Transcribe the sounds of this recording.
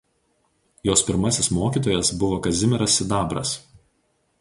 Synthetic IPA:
joːspʲɪɾmɐsʲɪsmoːkʲiːˑt̪̬oːjɛsbʊʋoːkɐzʲɪmʲɪɾɐsɪd̪ɑːbɾɐ̰s

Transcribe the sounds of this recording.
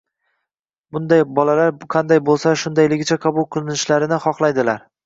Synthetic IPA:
bʊnd̪ajbɒlalaɾqʰɑnd̪ajbolˠsaʃʊnd̪ajlɪɡʲɪt͡ʃʰaqʰɑbʊlˠqʰɨlˠɪnɪʃlaɾɪnɪχɒqlˠajd̪ɪlaɾ

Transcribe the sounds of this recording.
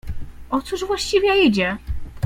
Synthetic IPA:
ɔt̪suʐvwaɕt͡ɕivʲjjajid͡ʑɛ

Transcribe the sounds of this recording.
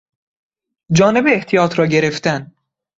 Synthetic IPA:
d͡ʒɒːne̞beːht̪ʰijɒːt̪ʰɾɒːɟe̞ɾe̞ft̪æn

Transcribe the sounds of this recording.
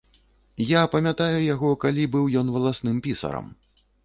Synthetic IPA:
japɐmʲat̪ajujaɣɔkalʲibɨwjɔn̪vɐlˠasnɨmpʲisɐ̰ɾɐ̰m

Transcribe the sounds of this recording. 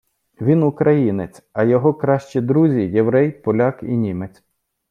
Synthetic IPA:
ʋʲinʊkɾʔɐjinet͡sʲɐjɔɦɔkɾɑʃt͡ʃid̪ɾuzʲijeʋɾɛjpɔlʲɑkḭnʲimet͡sʲ

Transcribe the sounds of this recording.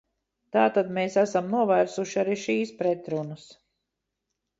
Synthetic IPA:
t̪aːt̪ad̪meːsæsamnuɔvæːɾsuʃiaɾiʃiːspɾɛt̪ɾunas

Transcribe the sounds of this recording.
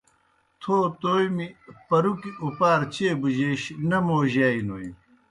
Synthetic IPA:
t̪ʰoːt̪oːjmipɐɾukiupaːɾt͡ɕeːbuʑeɕnɐmoːʑaːinoːj

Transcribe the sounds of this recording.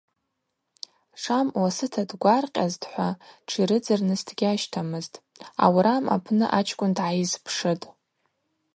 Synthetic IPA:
ʂamwasɨtʰadɡʷarqʲʼazdħʷaʈ͡ʂʰiɾɨd͡zɨrnɨstʰɡʲaʃtʰamɨztʼ | a̰wɾama̰pʰnɨʔat͡ʃʰkʷʼʊndʕajizpʰʂɨtʼ

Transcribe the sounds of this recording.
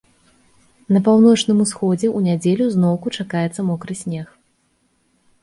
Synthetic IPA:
nɐp̬awnɔt͡ʂnɨmusxɔd͡zʲɛʔunʲad͡zʲelʲuzn̪ɔwkut͡ʂakajɛt̪sːɐmɔkɾɨsʲnʲɛx

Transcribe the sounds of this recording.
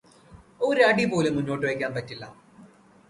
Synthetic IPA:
oɾaːɖipo̞ːlemunːo̞ːʈːɨʋɐjkʲːaːnpɐtːilːɐ̰

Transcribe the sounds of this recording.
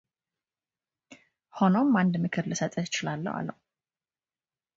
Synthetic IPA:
ho̞nomːand̪mɨkʰɨɾlɨsət̪ʼəɪt͡ʃɪlalːə̰wa̰lːə̰hu

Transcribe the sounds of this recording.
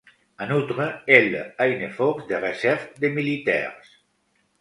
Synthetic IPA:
ənut̪ɾəelajnefɔɾzd̪eresɛɾfd̪emilit̪ɛ̰ɾs

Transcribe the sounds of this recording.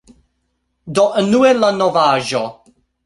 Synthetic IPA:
d̪ɔʔnuɛlanɔvaːʒɔ

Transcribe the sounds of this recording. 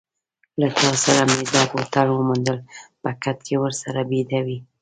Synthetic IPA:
lat̪ɑsaɾamed̪ɑpot̪alwəmund̪əlpəkat̪kewəɾsaɾabed̪awi

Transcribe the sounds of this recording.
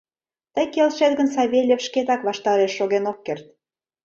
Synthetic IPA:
t̪əjkelʃet̪ɣənsɑβʲelʲefʃket̪ɑkβɑʃt̪ɑɾeʃːoɣenokːert̪̚

